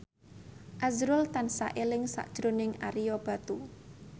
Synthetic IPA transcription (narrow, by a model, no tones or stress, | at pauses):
ʔazɾʊlt̪ansa̰ʔelɪŋsa̰ʔd̥ʒ̥ɾonɪŋa̰ɾijɔb̥a̤t̪u